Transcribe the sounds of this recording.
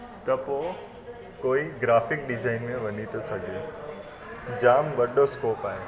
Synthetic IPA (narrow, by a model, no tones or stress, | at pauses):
t̪ɐpo | koːiɡɾaːfɪk̚ɖɪzaːɪnmẽʋɐnit̪ʰosɐɡʱe | d͡ʑaːmʋɐɗoskoːpaːɦe